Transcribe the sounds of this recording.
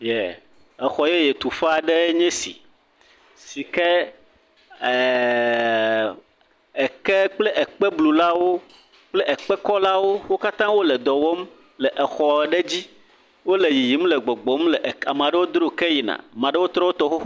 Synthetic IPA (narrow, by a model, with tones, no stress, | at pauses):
jɛ˨ | ɛ˨xɔ˨je˦je˨t̪u˨fa˦˨ɖe˦ɲɛ̃˦sḭ˨ | si˨kɛ˦˨ | ɛ˨ke˦k͡ple˦ʔɛ˨k͡pɛ˦blu˨la˦wo˦ | k͡ple˦ʔɛ˨k͡pɛ˦kɔ˦la˦wo˦wo˦ka˦t̪ã˦wo˦lɛ˨d̪ɔ˨wo˦m | lɛ˨ʔɛ˨xɔ˨ɛ˨ɖe˦d͡ʑi˦ | wo˦le˨ji˨ji˨mlɛ˨ɡ͡bo˨ɡ͡bo˦mlɛ˨ʔa˨mẽ˨a˨ɖɛ˦wo˦d̪ɾo˦ke˦ji˨nã̰˨mã˨ɖe˦wo˦t̪ɾɔ˦wo˦t̪ɔ˦xo˦